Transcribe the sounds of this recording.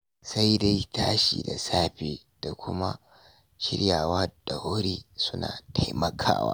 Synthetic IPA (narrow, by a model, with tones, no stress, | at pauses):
sa˦jda˦jtaː˦ʃḭː˨da˨saː˦ɸeː˨ | d̥a˨kʷʊ˦ma˦ | ʃɪ̰˦ɽjaː˨waː˦d̥a˨wʊ˦ɾiː˦sʊ˦na̰ː˨tʰa˦jmɐ˨kʰa̰ː˦wa̰ː˦